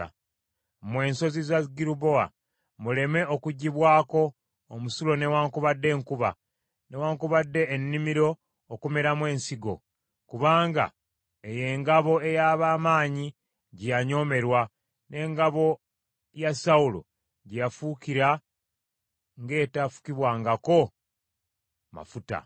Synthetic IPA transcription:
mwe̞ːnso̞zizaɡiɾubo̞a̰ | mule̞me̞okuɟːiβwaːko̞ː | musulo̞ne̞waːŋkuβadːe̞ːŋkuβa̰ | ne̞waːŋkuβadːe̞ːnːimiɾo̞ː | kumeɾamwe̞ːnsiɡo̞̰ | kuβaːŋɡa̰ | eje̞ːŋɡaβo̞e̞jaβaːmaːɲi | ɟijaɲo̞ːme̞ɾwa | ne̞ːŋɡaβo̞ | jasaulo̰ | ɟijafukiɾa | ŋɡe̞ːtafu̥kiβwaːŋɡako̞ | ma̰futa̰

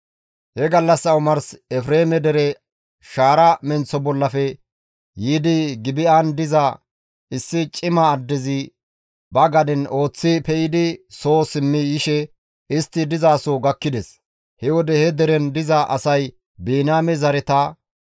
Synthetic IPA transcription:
hɛɡɐlːɐsːɐʊmɐɾsɛfɾeːmɛd̪ɛɾɛ | ʃaːɾɐmɛnt͡sːɔbɔlːɐfɛ | jiːd̪ɪɡɪbɪʔand̪ɪzɐ | ɪsːɪt͡ʃʼɪmɐːd̪ːɛzɪ | bɐɡɐd̪ɪno̞ːt͡sːɪpɛjɪd̪ɪso̞ːsɪmːɪjɪʃɛ | ɪst̪ːɪd̪ɪzaːsoːɡɐkːɪd̪ɛs | hɛwɔd̪ɛhɛd̪ɛɾɛnd̪ɪzɐʔɐsɐj | biːnaːmɛzɐɾɛt̪ɐ

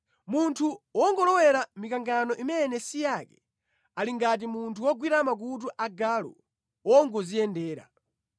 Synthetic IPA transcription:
muntʰuwɔŋɡɔlɔwɛɾamikaŋɡanɔʔimɛnɛsijakɛ | aliŋɡat̬imuntʰuwɔɡwiɾamak̬ut̬uʔaɡalɔ̰ | wɔŋɡɔzijɛndɛːɾa̰

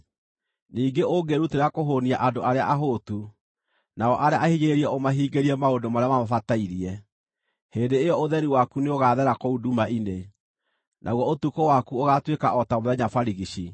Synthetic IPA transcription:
niːŋɡeʔoɡeɾuteɾakoɦoniaʔandoaɾeaʔaɦotu | naɔʔaɾeaʔahiɲeɾeɾiɛomaɦiːɡeɾiɛmaodomaɾeamamafataiɾiɛ | heːndeːjɔoðɛɾiwakuneoɣaːðɛɾakoudumaʔine | nʔa̰ɣwɔotukowakuoɣatwekaɔtamoðɛɲafaɾiɣiɕi

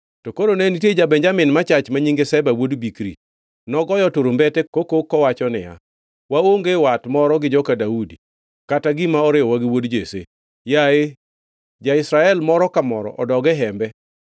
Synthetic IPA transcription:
tɔkoɾonɛnitied͡ʒabɛɲd͡ʒamɪnmat͡ʃat͡ʃmaɲiŋɡesɛbawodbikɾḭ | nɔɡɔjɔtoɾombɛtɛkokokːɔwat͡ʃɔnɪja̰ | waoŋɡewatmɔɾɔɡɪd͡ʒɔkadaudi | kataɡimaɔɾɪɔwaɡɪwodd͡ʒesḛ | jae | d͡ʒaɪsɾaɛlmɔɾɔkamɔɾɔ̰ʔɔdɔɡɛɦɛmbɛ

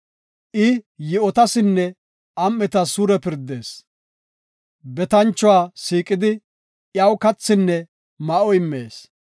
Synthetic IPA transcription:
ʔɪjɪɔt̪ɐsɪnːɛ | ɐmːɛt̪ɐsuːɾɛpɪɾd̪ːe̞ːs | bɛt̪ɐnt͡ʃːɔwaːsiːkʼɪd̪ɪ | jɐwkɐt͡sːɪnːɛ | mɐʔɔjɪmːḛːs

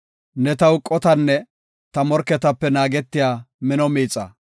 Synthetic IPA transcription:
nɛt̪ɐwʊkʼːɔt̪ɐnːɛ | t̪ɐmɔɾkːɛt̪ɐpːɛnaːɡɛt̪ːɪjaːmɪnɔmiːt͡sʼːɐ̰

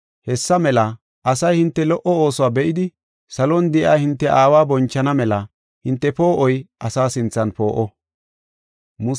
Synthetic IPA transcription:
hɛsːɐmɛlɐ | ɐsɐjhɪnt̪ːɛlɔʔɔo̞ːsʊwaːbɛʔɪd̪ɪ | sɐlɔnd̪ɪʔaːhɪnt̪ːɛʔaːwaːbɔnt͡ʃːɐnɐmɛlɐ | hɪnt̪ːɛpo̞ːʔɔjʔɐsaːsɪnt͡sːɐnpo̞ːʔɔ | mʊ

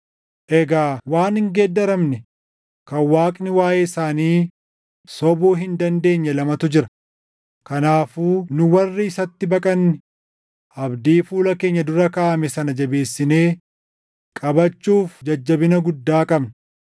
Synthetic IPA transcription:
ʔɛɡaːwaːnɪŋɡeːd̪ːɐɾɐmnɛ | kɐwaːkʼnɪwaːjeːɪsaːniː | sɔbuːɦɪnd̪ɐnd̪e̞ːɲːɐlɐmɐt̪ʊd͡ʒɪɾɐ | kɐnaːfuːnʊwɐrːɪɪsɐt̪ːɪbɐkʼɐnːɪ | ʔɐbd̪iːfuːlɐke̞ːɲːɐd̪ʊɾɐkaːʔɐmɛsɐnɐd͡ʒɐbe̞ːsːɪne̞ː | kʼɐbɐt͡ʃːuːfd͡ʒɐd͡ʒːɐbɪnɐɡʊd̪ːaːkʼɐbnɐ

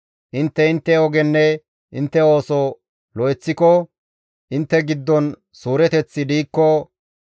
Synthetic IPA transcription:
ʔɪnt̪ːɛɪnt̪ːɛɔɡɛnːɛ | ʔɪnt̪ːɛo̞ːsɔ | lɔɛt͡sːɪkɔ | ʔɪnt̪ːɛɡɪd̪ːɔn | suːɾɛt̪ɛt͡sːɪd̪iːkːɔ

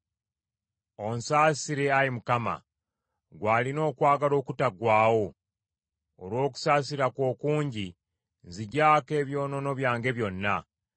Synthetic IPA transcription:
o̞nsaːsiɾe̞ajimukama̰ | ɡwaːlino̞ːkwaːɡalo̞ːkutaɡwaːwo̞ | lwo̞ːk̬u̥saːsiɾakwo̞ːkuːɲɟi | ziɟaːke̞ːβjo̞ːno̞no̞βjaːŋɡe̞βjo̞nːa

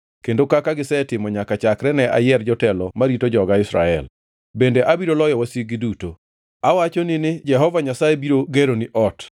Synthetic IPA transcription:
kendokakaɡɪsɛtɪmɔɲakat͡ʃakɾɛnɛʔa̰jɛrd͡ʒɔtɛlɔmaɾitod͡ʒɔɡaɪsɾa̰ɛl | bendeʔabiɾolɔjɔwasiɡɪduto | awat͡ʃonɪnɪd͡ʒɛɦɔvaɲasaebiɾoɡeɾonɪʔɔt

